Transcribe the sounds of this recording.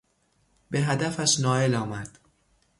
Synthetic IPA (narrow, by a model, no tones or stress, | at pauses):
be̞ɦæd̪æfæʃnɒːe̞lɒːmæd̪̥